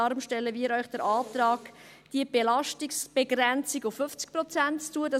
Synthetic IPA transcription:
ɑɾmʃtɛlːəʋiəɾœʏχd̥əɾʔɑːt̪ɾɑːk | d̥iəb̥elɑʃtɪksb̥eɡɾɛnt͡siɡʊfːʏft͡sk̚pɾɔt͡sænttuəd̥ɑ

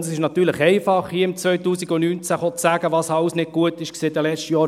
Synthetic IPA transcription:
ɑsɪʃnɑt̪yːɾləχɛɪfɑχhiəɪmt͡sʋœʏt̪uːsiɡʊnyːnt͡sæχot͡sːæːɡ̥əʋɑsɑwsnɪd̚ɡ̥uət̪ɪʃkseːt̚dɛlɛt͡ʃtəjɔː

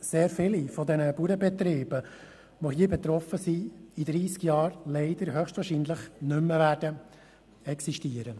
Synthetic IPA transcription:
seːɾfɪlifɔd̪ɛnəbuːɾəbɛt̪ɾeːb̥ə | ʋojiːbɛt̪ɾɔfəsiid̪ɾiːskjɑːɾlɛɪd̥̪əɾɦœχʃtvʋɑːɾʃiːnləχnʏmːəvæːd̥ə | ɛksiʃtiəɾə

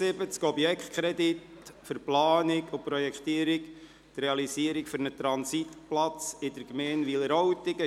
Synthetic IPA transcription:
sɪbət͡skɔbjɛkχt̚kʰχɾɛd̪itfʏɾplɑːnɪkʊpɾɔjɛkχt̪iːəɾɪk | t̪ɾɛɑlisiəɾɪkfʏɾnət̪ɾɑnsit̪plɑt͡sɪd̥əɾɡmɛːnʋiləɾɔwt̪ɪɡə

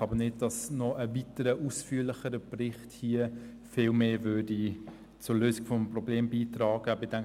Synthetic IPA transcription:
ɑbənɪd̚dɑsnɔʔəvitəɾəʔusfyːəɾlɪχəɾəbrɪχthiə | fɪːlmeːvøːdi | t͡sʊɾløːsɪɡfɔmprɔbleːmbiːtrɑːɡ̥əbedæŋ

